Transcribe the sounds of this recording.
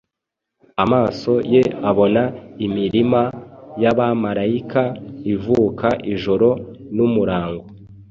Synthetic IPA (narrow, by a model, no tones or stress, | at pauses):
amaːso̞je̞aβo̞naimiɾimajaβamaɾaikaivuːkaʔiʒo̞ɾo̞numuɾaːŋɡo